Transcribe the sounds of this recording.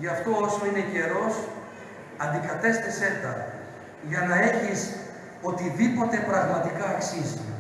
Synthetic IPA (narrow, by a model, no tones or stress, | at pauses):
ʝɐft̪o̞oso̞inece̞ɾo̞s | ɐnd̪ikɐt̪e̞st̪ise̞t̪ɐ | ʝɐnɐe̞çis | o̞t̪iðipo̞t̪e̞pɾɐɣmɐt̪ikɐːksizi